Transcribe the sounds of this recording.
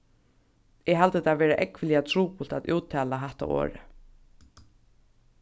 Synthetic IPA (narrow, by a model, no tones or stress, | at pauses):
ɛɦalt̪ət̪ʰaːveːɾaʔɛkvɪliat̪ʰɾuːpul̥t̪a̰t̪ṵːt̪ʰɛːlaɦaht̪a̰ʔo̰ːɾɪ̰